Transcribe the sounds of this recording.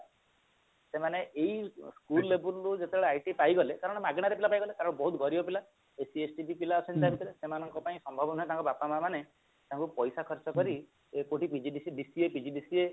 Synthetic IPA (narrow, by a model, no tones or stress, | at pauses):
semaneʔeiskulːebuɾɾud͡ʒet̪ebɛɭeajʈipajɡɔlekaɾɔɽ̃maɡiɽ̃aɾepilapajɡɔlekaɾɔɽ̃bɔɦut̪ɡʱɔɾibɔpila | esiesʈibipilaɔsɔnt̪ajmt̪ʰilesemanɔŋkɔpaĩsɔmbʱɔbɔnɔɦet̪ãɦãŋkɔbapamamane | t̪aɦãŋkupɔjsakʰɔɾt͡ʃɔkɔɾi | koʈipid͡ʒiɖisidisiepid͡ʒiɖisie